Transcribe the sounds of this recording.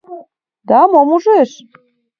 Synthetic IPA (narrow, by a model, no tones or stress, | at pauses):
d̪ɑmomuʒeʃ